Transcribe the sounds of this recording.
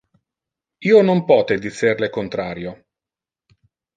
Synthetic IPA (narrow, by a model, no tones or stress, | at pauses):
iːonompɔːt̪ed̪it̪serlekont̪ɾaːɾjo